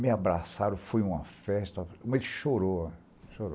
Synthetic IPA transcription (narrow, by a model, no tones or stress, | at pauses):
mɪabɾasaɾõfujũmɐfɛst̪ɐkõmelɪʃoɾo | ʃoɾo